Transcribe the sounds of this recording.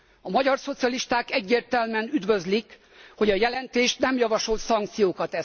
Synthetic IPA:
ɒmɒɟɒrso̞t̪sijɒliʃt̪aːkɛɟːeːrt̪ɛlmɛnyd̪ʋø̞zlik | ho̞ɟɒjɛlɛnt̪eːʃt̪nɛmjɒvɒʃo̞lt̪sɒŋk̚t̪sijoːkɒt̪ɛ

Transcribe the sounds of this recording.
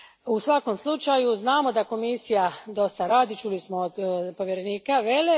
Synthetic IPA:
usʋako̞mslˠut͡ʃajuznaːmo̞d̪ako̞misijad̪o̞st̪aɾaːd̪it͡ʃulismoːd̪po̞ʋjeɾeniːkaʋele

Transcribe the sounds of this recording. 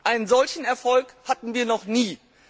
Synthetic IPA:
ʔaɪnənzɔlçn̩ɛɐfɔlkhatn̩viːɐnɔχniː

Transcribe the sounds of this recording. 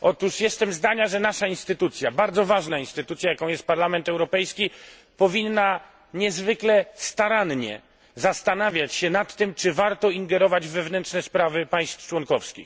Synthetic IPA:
ʔɔt̪uʂjɛst̪ɛmzd̪aɲaʐɛnaʂainst̪ɘt̪ut̪sʲjabaɾd̪zɔvaʐnainst̪ɘt̪ut̪sjajakɔ̃w̃jɛst̪̚paɾlamɛnt̪ɛwɾɔpɛjskʲi | pɔvʲinːa | ɲɛzvɘklɛst̪aɾanɲɛ̰ | zast̪anavʲjat͡ɕɕɛnat̪ːɘmt͡ʂɘvaɾt̪ɔiŋɡɛɾɔvad͡ʑvɛvnɛntʂnɛspɾavɘpaj̃st̪ft͡ʂwɔnkɔfskʲix

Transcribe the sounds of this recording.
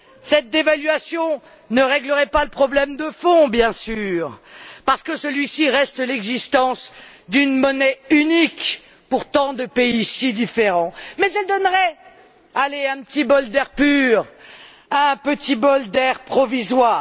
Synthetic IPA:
sɛt̪̚d̪evalɥasjɔ̃ | nəʁɛɡləʁɛpaləpχɔblɛmd̪əfɔ̃bjɛ̃syːʁpaʁsə̥kəsəlɥisiʁɛst̪lɛɡzist̪ɑ̃s | d̪ynmɔnɛynik | puʁt̪ɑ̃d̪əpeisid̪ifeʁɑ̃mɛzɛld̪ɔnʁɛ | aleɛ̃pət̪ibɔld̪ɛʁpyʁ | ɛ̃pət̪ibɔld̪ɛʁpχɔvizwaː

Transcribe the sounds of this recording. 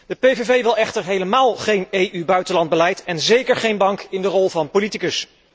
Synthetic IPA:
d̥əpevevejʋɪlˠɛχtəɹɦejləmaːlˠχejnejʔybœɥtənlɑnd̚bəlɛjtɛnzejkəɹχejnbɑŋkɪndərɔlˠvɑnpolitikəs

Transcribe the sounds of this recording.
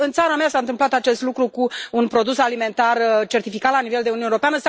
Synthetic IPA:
ɨnt̪saɾameasaɨnt̪ɨmplat̪at͡ʃe̞st̪lukɾukuunpɾo̞d̪usalime̞nt̪art͡ʃe̞rt̪ifikat̪laniveld̪e̞uneeɾo̞peanəsa

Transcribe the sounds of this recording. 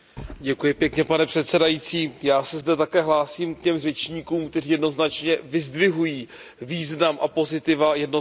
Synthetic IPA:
ɟɛkujɪpjɛkɲɛpanɛpr̝̥ɛt̪sɛdajit͡siːjaːsɛzdɛt̪akɛːɦlaːsiːmkcɛmrɛt͡ʃɲiːkuːmkt̪ɛriːjɛdno̞znat͡ʃɲɛvɪzdvɪɦujiː | viːznamʔapo̞zɪt̪ɪvajɛdno

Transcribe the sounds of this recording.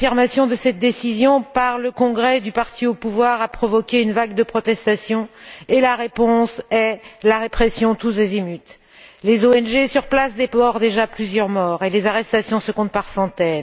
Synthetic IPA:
fiʁmasjɔ̃d̪əsɛt̪̚d̪esizjɔ̃paʁləkɔ̃ɡʁɛd̪ypaʁt̪ʰiopuvwaʁapχɔvɔkʲeynvaɡd̪əpχɔt̪ɛst̪asjɔ̃elaʁepɔ̃sɛlaʁepχɛsjɔ̃t̪us̬ezimyt̪ | lezoɛnʒesyʁplasd̪epɔʁd̪eʒaplyzjœʁmɔʁelezaʁɛst̪asjɔ̃səkɔ̃t̪̚paʁsɑ̃t̪ɛn

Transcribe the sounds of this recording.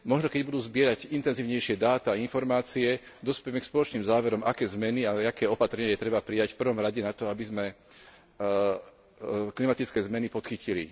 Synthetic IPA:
mɔʒnɔkɛɟbud̪uːzbɪɛɾaɟint̪ɛnziːʊɲɛjʃɪɛd̪aːt̪ainfɔɾmaːt͡siɛd̪ɔspɛjɛmɛkspɔlɔt͡ʃniːmzaːʋɛɾɔmakɛːzmɛniaakɛːɔpat̪ɾɛɲɪajɛt̪ɾɛbapɾijacfpr̩ʋɔmɾaɟɛnat̪ɔabizmɛ | klimat̪it͡skɛːzmɛnipɔt̪xicilḭ

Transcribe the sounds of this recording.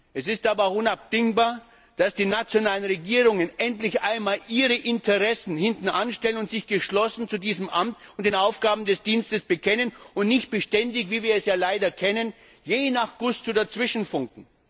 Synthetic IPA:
ʔɛsɪstʔaːbɐaʊxʊnap̚d̥ɪŋbaːɐ | d̥asd̥iːnat͡sjonaːlənʁeɡiːʁʊŋənʔɛntlɪçʔaɪnmaːlʔiːʁəʔɪntʰəʁɛsn̩hɪntn̩ʔanʃtɛlənʊntz̥ɪçɡ̥əʃlɔsn̩t͡sudiːzəmʔamtʊntd̥eːnaʊfɡ̥aːbm̩dɛsd̥iːnstəsb̥əkʰɛnənʊntnɪçt̚b̥əʃtɛndɪçviːviːɐɛsjaːlaɪdɐkʰɛnən | jeːnaχɡ̥ʊstudat͡sv̥ɪʃn̩fʊŋkŋ̩

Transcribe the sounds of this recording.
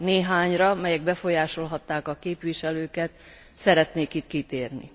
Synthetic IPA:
neːɦaːɲrɒmɛjɛɡ̚bɛfo̞jaːʃo̞lɦɒt̪ːaːkɒkeːpʋiʃɛløːkɛt̪ | sɛɾɛt̪neːkit̪kit̪eːrnḭ

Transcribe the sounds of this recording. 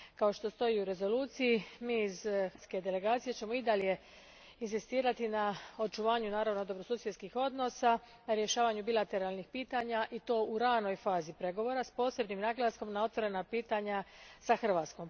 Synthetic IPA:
kao̞ʃt̪o̞st̪o̞jiuɾe̞zo̞luːt̪sijimiːzt̪ske̞d̪e̞le̞ɡaːt̪sije̞t͡ɕe̞mo̞id̪alje̞ | insist̪iːɾat̪inao̞t͡ʃuʋaːɲunaːɾaʋno̞d̪o̞bɾo̞suːsjet̪skixo̞d̪no̞sa | naɾje̞ʃaːʋaɲubilˠat̪e̞ɾalˠnixpiːt̪aɲaʔit̪oːuɾano̞jfaːzipɾe̞ɡo̞ʋo̞ɾaspo̞ːse̞bnimnaɡlˠasko̞mnao̞t̪ʋo̞ɾe̞napiːt̪aɲasaxr̩ʋaːt̪sko̞m

